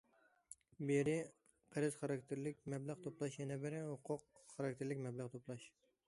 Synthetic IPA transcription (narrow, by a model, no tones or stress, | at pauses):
beɾɪ | qʰəɾɨz̥χɑɾɑk̚ʲt̪ʰɪɾlɪkʲmɛblˠəʁt̪ʰoplˠɑʃjɛnɛbɪɾɛhʊqʰʊqχɑɾɑk̚ʲt̪ʰeɾlɪkʲmɛblˠəʁt̪ʰoplˠɑʃ